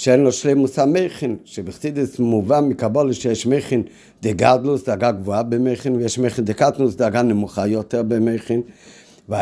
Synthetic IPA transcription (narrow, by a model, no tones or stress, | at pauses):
ʃɛɾnɔʃleɪmʊsameɪχɪnʃɪbɪχt͡sidəsmuvamɪkabɔlˠəʃɛʃmeɪχɪn | dɪɡadlˠʊsdɪaɡaɡvuabɪmeɪχɪnvɪɛʃmeɪχɪndɪkatnʊsdɪaɡanɪmʊχajɔtəbɪmeɪχɪn | va